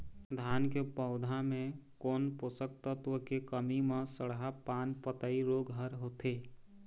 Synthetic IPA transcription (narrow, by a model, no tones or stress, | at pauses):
d̪ʱaːnkepəʊd̪ʱãmẽkɔːnposək̚t̪ət̪wəkekəmimẽsəɽɦapaːnpət̪əiɾoːɡɦəɾɦoːt̪eː